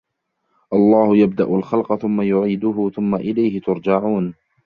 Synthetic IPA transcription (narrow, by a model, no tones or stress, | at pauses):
ʔɑlˤːɑːhʊjab̚d̪aʔʊlxɑlqɑθʊmːajʊʕiːd̪ʊɦʊθʊmːaʔɪlajhɪt̪ʊɾd͡ʒaʕuːn